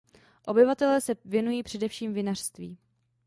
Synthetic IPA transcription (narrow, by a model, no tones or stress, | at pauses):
ʔo̞bɪvat̪ɛlɛːsɛvjɛnujiːpr̝̥ɛdɛfʃiːmvɪnar̝̥st̪viː